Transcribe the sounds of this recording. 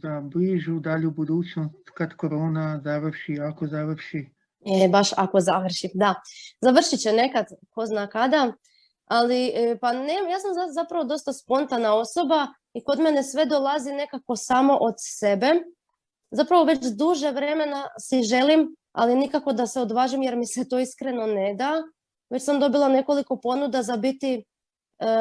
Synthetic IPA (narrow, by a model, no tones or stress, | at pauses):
d̪abliʒud̪aʎiubud̪uːt͡ʃnost̪kad̪koɾoːnazaʋrʃiakozaʋrʃi | ebaʃako̞zaʋr̩ʃimd̪azaʋr̩ʃit͡ɕene̞kad̪ko̞znaːkad̪a | alipanejaːsamzazapɾaʋod̪o̞st̪aspo̞nt̪anao̞so̞ba | iko̞d̪me̞ne̞sʋe̞d̪olˠazine̞kako̞saːmo̞ʔod̪se̞be̞ | zapɾaʋo̞ʋe̞t͡ɕd̪uʒeʋɾe̞me̞nasiʒe̞lim | a̰linikako̞d̪aseo̞d̪ʋaːʒimje̞ɾmiset̪o̞iskɾe̞no̞ne̞d̪a | ʋe̞t͡ɕsamd̪o̞bilˠane̞ko̞liko̞po̞nud̪azabit̪i